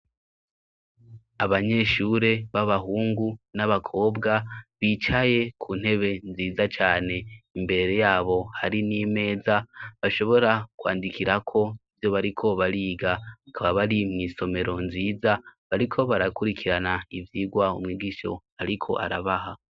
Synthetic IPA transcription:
aβaɲe̞ʃuɾe̞βaβaɦuːŋɡunaβakʰo̞ːbɡaβiːt͡ʃaje̞kʰuːn̥he̞βe̞nziːzat͡ʃaːne̞imbe̞ɾe̞jaːβo̞haɾiniːme̞ːzaβaʃo̞βo̞ɾakwa̰ːndikiɾakʰo̞ivjo̞βaɾikʰo̞βaɾiːɡaakʰaβaβaɾimŋiːso̞me̞ɾʔo̞nziːzaβaɾikʰo̞βaɾakuɾikʰiɾanaivjiːɡwaumŋiːɡiʃo̞̰ | aɾikʰo̞̰ʔa̰ɾaβaɦa

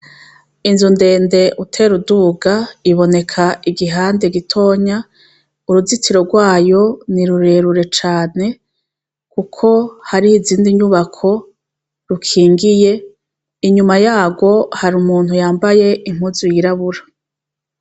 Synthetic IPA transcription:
inzunde̞ːnde̞ʔutʰeɾuduːɡaiβo̞ne̞kʰaiɡiɦaːnde̞ɡitʰo̞ːɲa | uɾuzitiɾo̞ɡwaːjo̞niɾuɾe̞ɾuɾe̞t͡ʃaːne̞ | kukʰo̞haɾihiziːndiɲuβakʰo̞ | ɾukʰiːŋɡije̞ | iɲumajaːɡo̞haɾumuːn̥hujaːmbaje̞ʔim̥uzujiɾaβuɾa

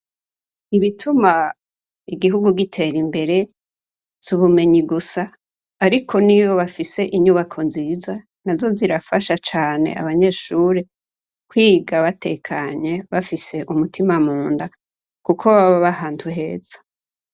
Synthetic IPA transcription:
iβitʰuma | iɡiɦuɡuɡitʰe̞ɾimbe̞ɾe̞ | z̥uβume̞ɲiɡusaː | ɾikʰo̞nijo̞βafise̞ʔiɲuβakʰo̞nziːza | nazo̞ziɾafaʃat͡ʃaːne̞̰ʔa̰βaɲe̞ːʃuɾe | kwiːɡaβate̞kʰaɲe̞βafise̞ʔumutimamuːnda | kukʰo̞βaβaβahaːntʰuɦe̞ːz̥ḁ

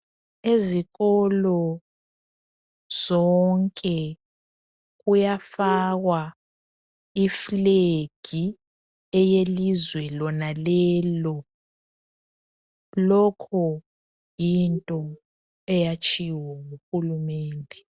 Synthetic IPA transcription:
eziɣɔlɔ | z̥ɔŋkʼɛ | ɣujafaɣwa | ifleɡ̥ʱi | ɛjelizwɛlɔnalɛːlɔ | lɔkʰɔ | jintʼɔ | ɛjat͡ʃʰʼiwaŋuxulumɛːndʱɛ

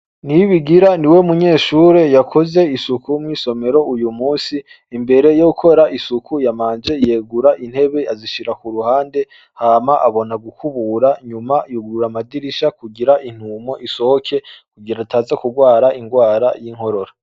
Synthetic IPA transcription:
niβiɡiɾaniwe̞muɲe̞ːʃuːɾe̞jakʰo̞ze̞isukʰumŋiːso̞me̞ɾo̞ujumuːsiː | mbe̞ɾe̞joukʰo̞ɾaʔisukʰujamaːnd͡ʒe̞je̞ɡuɾaʔin̥he̞βe̞ʔaziʃiɾakuɾuhaːnde̞ | haːmaʔaβo̞naɡukʰuβuɾaɲumajuɡuɾamadiɾiʃakuɡiɾaʔin̥uːmo̞ʔisohokʰe̞kuɡiɾataːzakuɡwaːɾaʔiŋɡwaːɾajiŋɦo̞ɾo̞ɾa

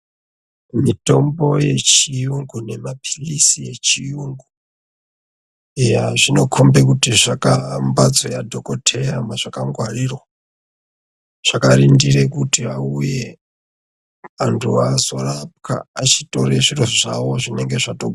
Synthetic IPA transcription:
mitombojet͡ʃijuŋɡunemapʰi̥lisijet͡ʃijuŋɡu | ejaʐino̞kʰombek̬utiʐakambad͡zojadʱokotʰejamwaʐ̥akaŋɡʱwarirwa | ʐ̥akaɾindiɾekutiauje | antʰuazorap̚kʰa̰at͡ʃitoɾeʐiɾoʐawoʐine̞ŋɡeʐato

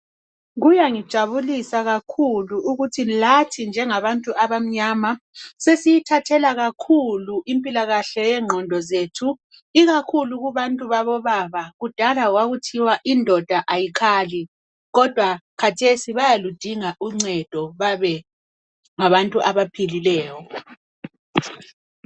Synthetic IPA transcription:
ɣujaŋid̥ʒ̥ʱaβulisaɣakʰuluʔuɣutʰilatʰind͡ʒʱɛŋaβantʼuʔaβam̩ɲamasesijitʰatʰɛlaɣakʰuluʔimpʼilaɣaɬɛjɛŋ͡ǃʱɔndʱɔzetʰu | iɣakʰuluɣuβantʼuβaβɔβaβaɣud̥ʱalaɣwaɣutʰiwaʔindʱɔd̥ʱaʔajikʰaːli | ɣɔd̥ʱwakʰatʰesiβajalud̥ʱiŋaʔuŋ͡ǀɛd̥ʱɔβaβɛ | ŋaβantʼuʔaβapʰililɛːjɔ

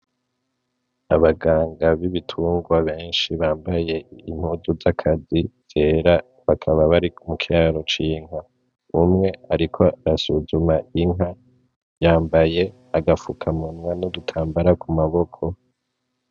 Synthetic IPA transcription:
aβaɡaːŋɡaβiβitʰuːŋɡwaβe̞ːnʃiβaːmbaje̞im̥huzuzakʰaziz̥e̞ːɾa | βakʰaβaβaɾikumukʰiaːɾo̞t͡ʃiːŋa | umŋe̞aɾikʰo̞aɾasuzumaʔiŋɦa | jaːmbaje̞ | aɡafukʰamunwanodutʰaːmbaɾakʰumaβo̞kʰo̞

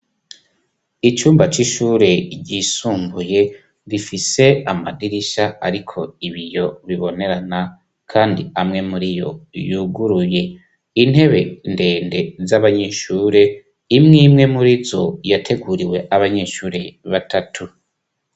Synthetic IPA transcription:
it͡ʃuːmbat͡ʃiʃuːɾe̞ɟisuːmbuje̞ | βifise̞amadiɾiʃaa̰ɾikʰo̞iβijo̞βiβo̞ne̞ɾana | kʰaːndiamŋe̞muɾijo̞̰juɡuɾuje̞ | in̥he̞βe̞nde̞ːnde̞zaβaɲe̞ːʃuːɾe̞ | imŋiːmŋe̞muɾizo̞jatʰe̞ɡuɾiwe̞ʔaβaɲe̞ʃuːɾe̞βatatʰu

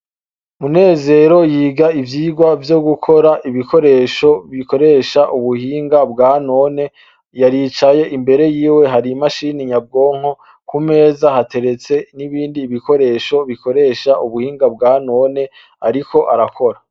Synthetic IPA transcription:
mune̞ːze̞ːɾo̞jiːɡaivjiːɡwavjo̞ɡukʰo̞ɾaʔiβiko̞ɾe̞ːʃo̞βiko̞ɾe̞ʃaʔuβuhiːŋɡabɡaːno̞ne̞ | jaɾiːt͡ʃaje̞ʔimbe̞ɾe̞jiːwe̞ɦaɾimaʃiːniɲab̚ɡo̞ːŋ̥o | kume̞ːzahate̞ɾe̞t͡se̞niβiːndiːβiko̞ɾe̞ʃo̞βikʰo̞ɾe̞ʃaʔuβuhiːŋɡabɡaːno̞ne̞ | aɾikʰo̞ʔaɾakʰo̞ɾa

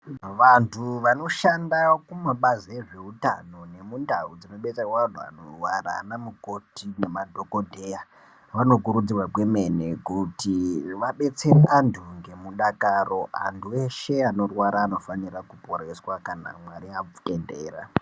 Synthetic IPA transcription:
ʋantʰuʋano̞ʃandakumaɓazeʐe̞uta̰no̞ne̞mundaud͡zino̞ɓe̞t͡serwakuntua̰no̰rwara̰namuko̞tine̞madʱoko̞dʱe̞ja | ʋano̞k̬uɾud͡zirwaɡwe̞me̞nekutiʋaɓe̞t͡se̞reʔantʰuŋɡe̞muɗakaro̞a̰ntʰuwe̞ʃe̞ano̞rwaɾaːno̞fanirakupo̞ɾe̞swakana̰mwaɾiakendḛːra̰

